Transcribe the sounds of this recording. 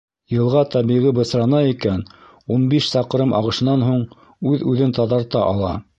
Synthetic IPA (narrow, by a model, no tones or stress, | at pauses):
jɤ̆lˠʁɑt̪ɑβiʁibɤ̆sɾɑnɑikæn | unbiʃsɑqɾɤmʔɑ̰ʁɤ̆ʃɤ̆nːɑnɦuɴ | ʉðʉðɘnt̪ɑðɑɾt̪ɑʔɑ̰lˠɑ̰